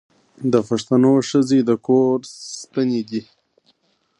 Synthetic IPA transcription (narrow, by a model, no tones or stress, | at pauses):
d̪əpaʂt̪anoʂəzed̪əkoɾst̪aned̪i